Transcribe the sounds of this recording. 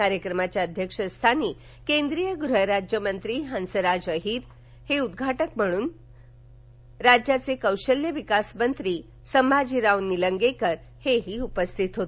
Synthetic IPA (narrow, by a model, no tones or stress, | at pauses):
aɾjəkɾəmat͡ɕjaəd̪ʱjəkʂəst̪ʰani | kẽnd̪ɾijəɡɾuɦəɾad͡ʑjəmənt̪ɾiɦãnsəɾad͡ʒəɦiɾ | heud̪ɡʱaʈəkm̤əɽ̃uːn | ɾad͡ʑjat͡sekəwʃəljəʋikasmənt̪ɾi | səmbad͡ʑiɾawnːiləŋɡekəɾ | heɦiupəst̪ʰit̪ɦot̪